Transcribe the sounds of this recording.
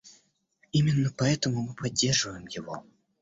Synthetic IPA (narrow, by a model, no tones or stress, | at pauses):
imʲɪnːəpɐɛt̪əmʊmɨpʰɐdʲːe̞rʐɨvəjɪmjɪvo̰